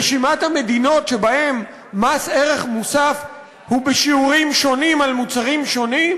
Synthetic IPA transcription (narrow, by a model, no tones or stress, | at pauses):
eʃimathame̞dino̞tʃe̞bahe̞mː | aseʁe̞χmusaf | hubeʃiuʁimʃo̞nimalmut͡saʁimʃo̞nim